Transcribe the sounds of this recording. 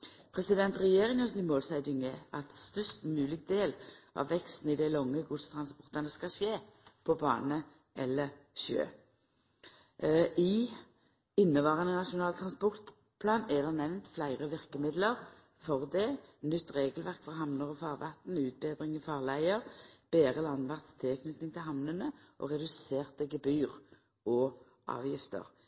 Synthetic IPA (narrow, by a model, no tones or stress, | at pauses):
pʰɾɛsɪd̪ɛnt̪ʁɛjeːʁɪŋɔsɪmoːlsæd̪ɪŋɛʔɑt̪st̪œst̪mʉːlɪɡ̚d̪eːlʔɑ̰ʋʋɛkst̪n̩ɪd̪ɛlɔŋːəɡʊd̪st̪ʰʁɑnspɔʁt̪ɑnəskɑʃeːpʰɔbɑ̰ːnə | ʔɛlːəʁʃø̰ː | ɪ | ɪnːəʋɑːʁɑnənɑʃʊnɑːlt̪ʰɾɑnspɔʁt̪ | pʰlɑːnɛd̪ɛnɛʋnt̪flæɪʁəʋɪʁkəmɪd̪ləʁ | fɔʁd̪ɛnʏt̪ːʁeːɡəlʋæʁkfɔʁɦɑmnəʁɔfɑːʁʋɑt̪n̩ʉːt̪̚beːd̪ʁɪŋifɑːʁlæɪəʁb̥eːʁəlɑnʋɑʁt̪st̪ʰɪlkʰnʏt̪nɪŋt̪ʰɪlɦɑmnənəʔɔ̰ʁɛd̪ʉseːʁt̪əɡɛbyːʁ | ɔ | ʔɑ̰ːʋjɪft̪ə̰ʁ